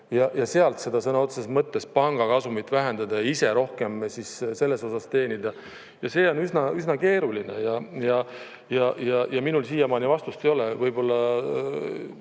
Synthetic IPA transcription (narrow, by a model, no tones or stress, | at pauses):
jɑjɑse̞ɑlt̪se̞d̪̥ɑsɤnɑot̪sesmɤt̪ːe̞spɑŋɡ̥ɑkɑsumit̪ːˑvæɦe̞nd̪̥ɑd̪̥ɑjɑise̞ɾo̞hke̞msisse̞lːe̞so̞sɑst̪e̞ːnʲid̪̥ɑ | jɑse̞ːo̞nysnɑyznɑke̞ːɾulinejɑjɑ | jɑjɑjɑminulsiːjɑmɑnivɑst̪ust̪e̞jo̞lɛvɤjbo̞lːɑ